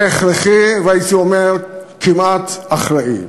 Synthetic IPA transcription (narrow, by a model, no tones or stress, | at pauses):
eχɾeχiveajit̪iomeʁ | kʰimat̪aχɾaʔḭ